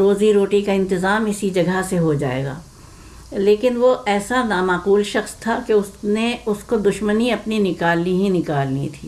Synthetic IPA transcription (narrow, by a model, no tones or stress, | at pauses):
ɾoːziɾoːʈikaɪ̃nt̪ɪzaːmɪsid͡ʒɐɡʱəseɦod͡ʒa̰ːḛːɡa̰ː | leːkɪnʋoʔɛːsanaːmaːquːlʃɐxst̪ʰakeʊsneʊskod̪ʊʃməniɐpninɪkaːlniɦinɪkaːlnit̪ʰḭː